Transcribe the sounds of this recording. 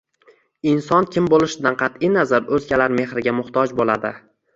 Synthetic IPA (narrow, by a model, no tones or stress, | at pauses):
ɪnsɒnkʲɪmbolˠɪʃɪd̪anqʰɑt̪inazaɾɵzɡʲalaɾme̞hɾɪɡʲamʊht̪ʰɒd͡ʒbolad̪ɪ